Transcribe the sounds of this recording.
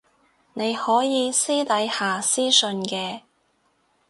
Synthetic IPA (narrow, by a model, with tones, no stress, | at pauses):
ne˨˧jhɔː˨˥jiː˨˧siː˥t̪ɐ˨˥jhaː˨siː˥sɵ˧nkɛː˧